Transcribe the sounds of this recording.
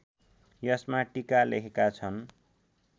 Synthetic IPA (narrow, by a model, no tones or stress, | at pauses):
jʌsmaʈikalḛkʰekat͡sʰʌn